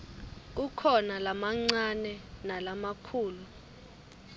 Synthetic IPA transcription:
k̬ukʰɔnalamaŋ͡ǀanɛnalamakʰuːlu

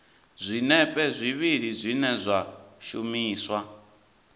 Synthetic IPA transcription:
zʷinɛpʼɛzʷiβiɺizʷinɛzʷaʃumiːswa

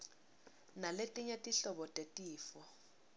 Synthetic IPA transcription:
naletʼiɲetʼiɬɔɓɔtʼetʼiːfɔ

